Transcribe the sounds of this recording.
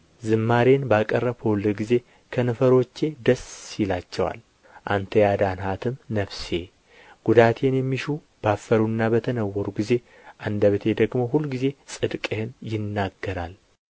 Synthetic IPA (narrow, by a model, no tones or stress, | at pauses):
zɨmːaɾe̞nbakʼərːəβkʰowlːɨɡize̞ | kʰənɨfəɾo̞t͡ʃːe̞d̪əsjɪlat͡ʃːɛwa̰l | ʔa̰nt̪ʰəjad̪anhat̪ʰɨmnəβse̞ | ɡ̥ud̪at̪ʰe̞njɛmːiʃu | b̥afːəɾuɨnːabət̪ʰənəwːəɾuɡize̞ | ʔand̪əβt̪ʰe̞d̪əɡmo̞ɦulːɡize̞sʼɨd̪kʼehɨnjɪnːaɡːəɾa̰l